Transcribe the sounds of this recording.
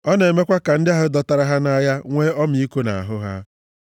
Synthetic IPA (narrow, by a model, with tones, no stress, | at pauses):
ɔ˦ne˨me˦kʷa˦ka˨n̩˦dɪ˦a˦ɦʊ˦dɔ˨ta˨ɾa˦ɦa˦na˦ja˦ŋʷe˦ɔ˦m̩˨i˦ko˦na̰˨a˨ɦʊ˦ɦa̰˦